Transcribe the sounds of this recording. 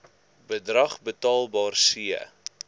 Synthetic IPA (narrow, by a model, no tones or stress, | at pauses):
bədrɐχbətɑːlˠbɑːrsiə̰